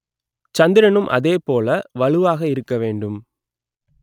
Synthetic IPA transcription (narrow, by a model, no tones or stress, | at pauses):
t͡ʃɐnd̪ɪɾɐnɯmʔɐ̰ðeːpoːlɐʋɐɭɯʋaːɣɐɪɾɯkːɐʋeːɳɖɯm